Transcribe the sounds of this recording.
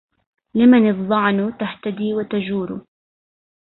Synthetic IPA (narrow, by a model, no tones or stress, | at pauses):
lɪmanɨðˤɑʕnt̪aht̪ad̪iːwat̪ad͡ʒuːɾʊ̰